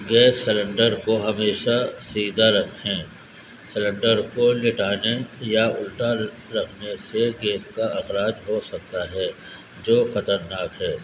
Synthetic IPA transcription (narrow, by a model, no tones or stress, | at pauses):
ɡɛːsːɪlə̃ɳɖəɾkoɦɐmeːʃasiːd̪aɾɐkʰẽː | sɪlə̃ɳɖəɾkolɪʈaːnejaʊlʈa | ɾɐkʰneseɡɛːskaɐxɾaːd͡ʒɦosɐk̚t̪aɦɛː | d͡ʒoːxɐt̪əɾnaːkɦɛː